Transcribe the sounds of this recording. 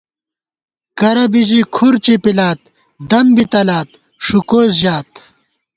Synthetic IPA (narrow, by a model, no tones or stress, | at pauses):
kɐɾɐbid͡ʑikʰuɾt͡ɕipilaːt̪̚ | d̪ɐmbit̪ɐlaːt̪̚ | ʂukoːzʑaːt̪